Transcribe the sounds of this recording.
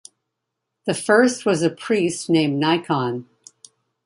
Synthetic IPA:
ðɨfɜ˞st̚wʌzɨpʰɹ̥istnẽɪ̃mnaɪkʰɑ̃n

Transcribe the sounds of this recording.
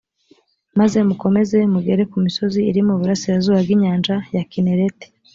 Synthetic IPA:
maze̞muko̞me̞ze̞muɡe̞ɾe̞kumiso̞ziːɾimuβuɾasiɾazuːβabɡiɲaːnd͡ʒajakineɾete̥

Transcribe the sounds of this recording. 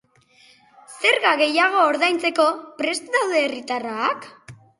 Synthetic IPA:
se̞ɾɣaɣe̞jaɣ̞o̞ːɾðajnt͡se̞ko̞pɾe̞st̪ðawðe̞ːrit̪araːk

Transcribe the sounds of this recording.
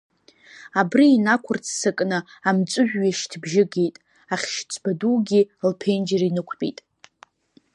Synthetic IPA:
abriːnakʷʰʊrt͡sʰsɨkʼnɨamt͡sʷʼʊʒᶣːaʃtʰbʒɪɡe̞jtʼ | aχʲʃt͡sʷʰb̥aduːɡʲilpʰejnd͡ʒarinɨkʷʰpʼḭtʼ

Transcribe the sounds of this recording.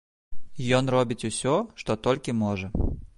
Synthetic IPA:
jɔnrɔbʲit͡sʲusʲɔʂt̪ɔt̪ɔlʲkʲimɔʐɐ

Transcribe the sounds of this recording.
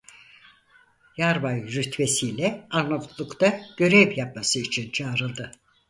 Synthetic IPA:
jaɾbajɾyt̪ʰve̞sijlʲɛaɾnop̪lˠukt̪aɟ̥ø̞ɾɛvjap̚masɯit͡ʃʰint͡ʃʰaːɾɯlˠd̪ɯ

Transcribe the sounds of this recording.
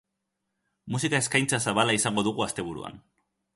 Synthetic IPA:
musikae̞skajnt͡sasaβalaisaŋɡo̞ðuɣuast̪e̞βuɾṵa̰n

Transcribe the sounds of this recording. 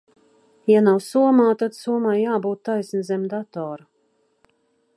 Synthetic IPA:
janawsuɔmaːt̪ad̪suɔmajjaːbuːt̪ːajsnizɛmd̪at̪ɔːɾu

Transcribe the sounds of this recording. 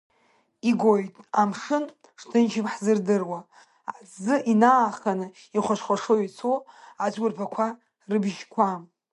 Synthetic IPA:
iɡʷojtʼamʂɨn | ʂtʰɨnt͡ʃʰɪmħzɨrdɨrwa | azɨʔinaːχanɨ | iχʷaʃʷχʷaʂoit͡sʰoat͡sʷɡʷʊrpʰakʷʰa | rɨbʒkʷʰam

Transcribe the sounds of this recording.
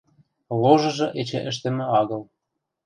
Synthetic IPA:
loʒɤ̆ʒɤ̆ʔet͡ɕḛ̆ʔə̆ʃ̬t̪ĕmĕɑɣɤ̆l

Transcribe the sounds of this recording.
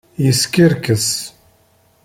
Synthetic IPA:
jəskiɾkəs

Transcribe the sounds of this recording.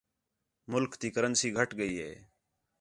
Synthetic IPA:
mʊlkt̪iːkəɾənsiːɡʱəʈɡəiːɦḛː

